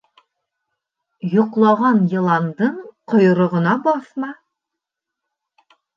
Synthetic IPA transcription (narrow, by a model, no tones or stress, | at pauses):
jŏqlˠɑʁɑnjɤ̆lˠɑnd̪ɤɴqŏjŏɾŏʁɤ̆nɑbɒθmɑ